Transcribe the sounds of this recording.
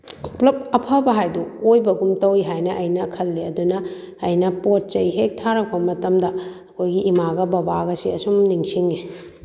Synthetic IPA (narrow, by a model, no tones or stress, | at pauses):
plɐp̚ɐpʰɐbɐɦajduojbɐɡumtɐwiɦajnɐʔɐjnɐkʰɐlːeɐdunɐː | jnɐpot̚t͡ʃɐjɦek̚tʰaɾɐk̚bɐmɐtɐmdɐː | kʰojɡiːmaɡɐbɐbaɡɐsiɐsumniŋsiŋe